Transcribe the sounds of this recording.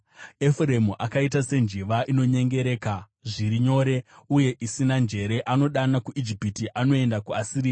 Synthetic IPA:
efure̞muʔakait̬ase̞nd͡ʒiʋaʔino̞ɲe̞ŋɡe̞ɾe̞ːka | ʐiɾiɲo̞ːɾe̞uje̞ʔisinand͡ʒe̞ɾe̞ʔano̞ɗanakuʔid͡ʒipitiʔano̞e̞ndakuasiɾiːa

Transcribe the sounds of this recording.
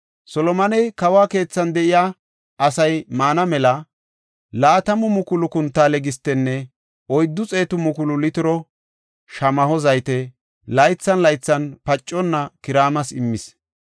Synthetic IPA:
sɔlɔmɐnɛjkɐwaːke̞ːt͡sːɐnd̪ɛʔɪjaː | ʔɐsɐjmaːnɐmɛlɐ | laːt̪ɐmʊmʊkʊlʊkʊnt̪ːaːlɛɡɪst̪ːɛnːɛ | ɔjd̪ːʊt͡sʼe̞ːt̪ʊmʊkʊlʊlɪt̪ɪɾɔ | ʃɐmɐhɔzɐjt̪ɛ | lɐjt͡sːɐnlɐjt͡sːɐnpɐt͡ʃʼːɔnːɐkɪɾaːmɐsɪmːɪs

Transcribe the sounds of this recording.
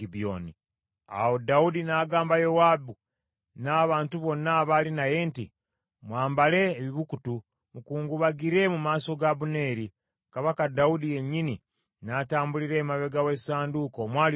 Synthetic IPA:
ibo̰ːni | a̰wodaudinaːɡaːmbajo̞wabu | naːβaːntuβo̞nːaβalinaje̞ːntḭ | mwaːmbale̞ːβiβukutu | mukuːŋɡuβaɡiɾe̞mumaːso̞ɡaβune̞ːɾi | kaβakadaudije̞ɲːini | naːtaːmbuliɾe̞ːmaβe̞ɡawe̞saːnduko̞mwaːl

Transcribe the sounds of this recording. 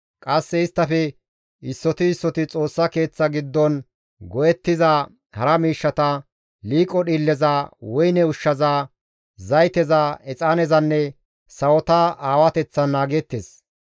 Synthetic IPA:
kʼɐsːɛɪst̪ːɐfɛ | ɪsːɔt̪ɪɪsːɔt̪ɪt͡sʼo̞ːsːɐke̞ːt͡sːɐɡɪd̪ːɔn | ɡɔjɛt̪ːɪzɐ | hɐɾɐmiːʃːɐt̪ɐ | liːkʼɔɗiːlːɛzawɔjnɛʊʃːɐzaː | zɐjt̪ɛzaɛt͡sʼaːnɛzɐnːɛ | sɐwɔt̪ɐaːwɐt̪ɛt͡sːɐnːaːɡɛt̪ːes

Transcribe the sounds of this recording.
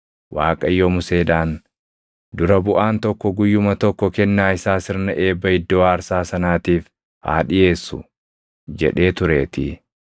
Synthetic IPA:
waːkʼɐjːɔmʊse̞ːᶑaːn | d̪ʊɾɐbʊʔaːnt̪ɔkːɔɡʊjːʊmɐt̪ɔkːɔkɛnːaːɪsaːsɪɾnɐʔe̞ːbːɐhɪd̪ːoːɐɾsaːsɐnaːt̪iːf | ha̰ːᶑɪje̞ːsːʊ̰ | d͡ʒɛ̰ᶑe̞ːt̪ʊɾe̞ːt̪ɪ

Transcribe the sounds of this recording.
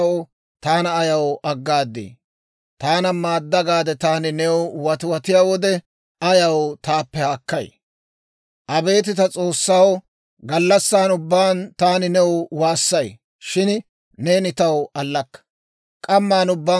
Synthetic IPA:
ɔ | t̪aːnɐːjɐwʔɐɡːaːd̪ːḛː | t̪aːnɐmaːd̪ːɐɡaːd̪ɛt̪aːnɪnɛwwɐt̪ʊwɐt̪ɪjaːwɔd̪ɛ | ɐjɐwt̪aːpːɛhaːkːɐj | ʔɐbe̞ːt̪̬ɪt̪ɐt͡sʼo̞ːsːaːwɔ | ɡɐlːɐsːaːnʊbːaːnt̪aːnɪnɛwwaːsːɐj | ʃɪn | ne̞ːnɪt̪ɐwɐlːɐkːɐ̥ | kʼɐmːaːnʊbːaː

